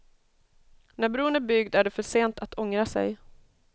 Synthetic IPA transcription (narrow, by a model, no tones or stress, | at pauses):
næɾbɾuːənæɾbʏɡd̪æɖɛfœʂeːnt̪ʰat̪ʰɔŋɾasɛ̰j